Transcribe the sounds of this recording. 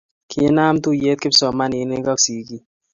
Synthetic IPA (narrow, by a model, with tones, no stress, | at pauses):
kʰi˨˦na˦mt̪u˦˨je˦t̪̚kɪ˦psɔ˨ma˦ni˨˦ne˦ka˦ksi˨ki˦